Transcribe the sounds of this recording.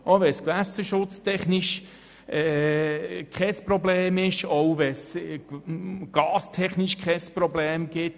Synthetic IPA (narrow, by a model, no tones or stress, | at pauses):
ʔoʋɛskʋæsəʃʊt͡stʰɛχniʃ | ɛ | kχɛspɾɔbleːmɪʃɔwvɛs | ɡ̥ɑːstʰɛχniʃkχɛspɾɔbleːmɡ̥ɪt